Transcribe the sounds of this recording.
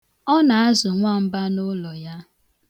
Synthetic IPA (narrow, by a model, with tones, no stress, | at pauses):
ɔ˦na˨a˦zʊ˨ŋʷa˦˨m̩˦ba˦nʊ˦lɔ˨ja˦